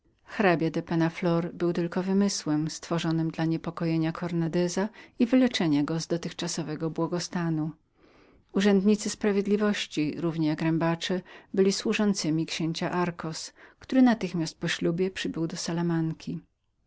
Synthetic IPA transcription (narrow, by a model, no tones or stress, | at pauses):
xɾabʲjad̪ɛpɛnaflɔɾbɘwt̪ɘlkɔvɘmɘswɛmst̪fɔʐɔnɘmd̪laɲɛpɔkɔjeɲakʰɔɾnad̪ɛzaivɘlɛt͡ʂɛɲaɡɔzd̪ɔt̪ɘxt͡ʂasɔvɛɡɔbwɔɡɔst̪anu | uʐɛnd̪ɲit̪sɘspɾavʲjed̪lʲivɔɕt͡ɕiɾuvɲɛjakɾɛmbat͡ʂɛbɘlʲiswuʐɔnt̪sɘmʲikɕeɲt͡ɕaʔaɾkɔskt̪uɾɘnat̪ɘxmʲast̪̚pɔɕlʲubʲjɛpʂɘbɘwd̪ɔsalamaŋkʲi